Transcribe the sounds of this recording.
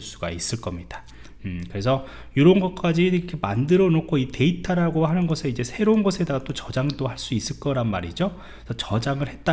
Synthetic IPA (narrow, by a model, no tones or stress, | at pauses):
s͈uɡais͈ɯɭk͈ʌmɲid̥a | ɯkɯɾe̞sʰʌ | joɾʌnɡʌk͈ad͡ʑiɾʌkʰe̞ma̰ndɯɾʌnokʰoite̞itʰaɾaɡohanɯnɡʌsʰɯid͡ʑe̞sʰe̞ɾounɡʌsʰe̞daɡat͈ot͡ɕʌd͡ʑaŋd͈ohaɭs͈uis͈ɯɭk͈ʌɾanmaɾid͡ʑo | sʰʌt͡ɕʌd͡ʑaŋɯɭhe̞t̚t͈a